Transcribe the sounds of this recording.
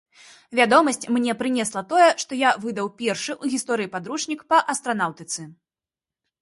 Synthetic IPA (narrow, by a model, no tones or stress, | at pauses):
vʲad̪ɔmɐsʲt͡sʲmnʲɛpɾɨnʲɛslˠɐt̪ɔjɛʂt̪ɔjavɨd̪ɐwpʲɛrʂɨʔuɣʲist̪ɔɾɨjipad̪ɾut͡ʂnʲikpɐʔɐst̪ɾanawt̪ɨt̪sɨ